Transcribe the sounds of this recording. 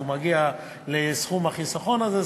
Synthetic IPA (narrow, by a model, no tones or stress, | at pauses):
umaɡia | lesχumhaχisaχo̞naze